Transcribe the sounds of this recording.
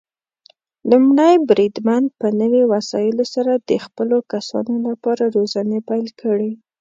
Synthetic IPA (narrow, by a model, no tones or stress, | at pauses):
lumɽəjbɾid̪mand̪̚pənəwewasɑjɪlosaɾad̪̥əxpəlokasɑ̰nolapɑɾaɾozanepajlkʰəɽe